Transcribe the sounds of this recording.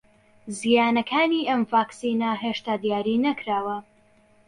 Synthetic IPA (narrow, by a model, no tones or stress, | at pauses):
zijaːnɐkʰaːniːʔɐmvaːksiːnɐɦeʃt̪aːd̪jaːɾiːnɐkɾaːwɐ